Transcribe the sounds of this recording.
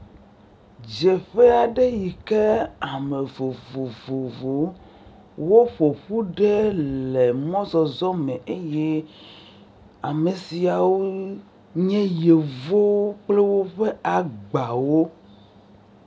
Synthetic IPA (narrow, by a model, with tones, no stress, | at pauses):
d͡ʒe˨ɸe˦a˨ɖe˦ji˨ke˦a˨me˨vo˨vo˨vo˨vo˨˦ | wo˦ɸo˨ɸu˦ɖe˦le˨mɔ̃˦zɔ˨zɔ˦mẽ˨ʔe˦je˦ | a̰˨me˨si˨a˨wo˦ | ɲɛ̃˦je˨vo˦wk͡ple˦wo˦ɸe˦a˨ɡ͡ba˨wo˦